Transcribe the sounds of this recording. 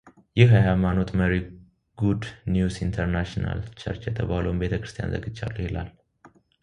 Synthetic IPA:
jɪhajajmano̞t̪məɾi | ɡ̥ud̪njusint̪ʰəɾnaʃna̰lt͡ʃʰə̰ɾt͡ʃjɛt̪ʰəβalowmbe̞t̪ʰəkɾɨst̪ʰija̰nzə̰ɡɨd͡ʒːa̰lːuhɪlal

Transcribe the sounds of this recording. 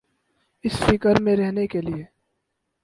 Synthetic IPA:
ɪsfɪkəɾmẽɾɛɦnekelieː

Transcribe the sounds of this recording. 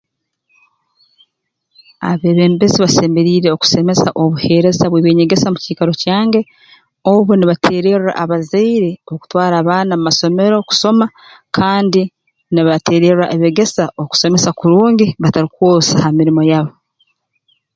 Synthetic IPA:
a̰βe̞βe̞ːmbe̞ziβase̞ːme̞ɾiːɾeoku̥se̞me̞saʔoβuhe̞ɾe̞zaβweːβeːɲe̞ɡe̞samuciːkaɾo̞caːŋɡe̞ | oβuniβatʰe̞ːɾe̞ra̰ʔaβazeiɾe̞oku̥twaːɾaːβaːnamumaso̞me̞ɾo̞ku̥so̞ma | kʰaːndi | niβatʰe̞ːɾe̞ra̰ʔeβe̞ɡe̞saoku̥se̞me̞sakuɾuːɲɡiβataɾikuwoːsahamiɾimo̞jaβo

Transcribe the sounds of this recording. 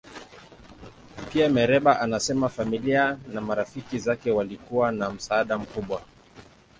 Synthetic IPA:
piamɛɾɛɓaʔanasɛmafamilianamaɾafikizakɛwalikuwanam̩saːɗam̩kuɓwa

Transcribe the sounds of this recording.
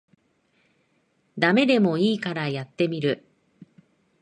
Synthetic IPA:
d̪ame̞d̪e̞mo̞iːkaɾajat̪ːe̞mʲiɾɯ̟

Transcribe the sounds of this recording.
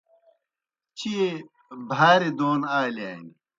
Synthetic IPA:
t͡ɕʰie | bʱaːɾed̪oːnaːlaːni

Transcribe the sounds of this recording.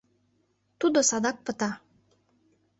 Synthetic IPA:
t̪ud̪osɑd̪ɑk̚pə̆t̪ɑ

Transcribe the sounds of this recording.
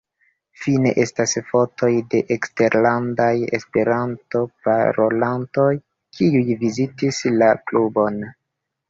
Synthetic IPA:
fine̞̰ʔe̞stasfo̞tʰo̞jde̞ʔekste̞ɾlandaje̞̰spe̞ɾanto̞pa̰ɾo̞lanto̞j | kʰiujvizitislaklubo̞n

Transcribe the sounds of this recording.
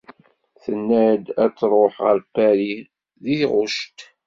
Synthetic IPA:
θənːæd̪æt͡sːɾˤoħʁə̰ɾpːæɾi | ðiθʁʊʃt̪

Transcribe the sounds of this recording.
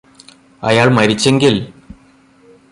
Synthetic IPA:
ɐ̰jaːɭmɐɾit͡ɕːe̞ŋɡil

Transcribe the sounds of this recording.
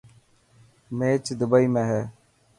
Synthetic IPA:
meːt͡ʃd̪ʊbəiːmẽːɦɛː

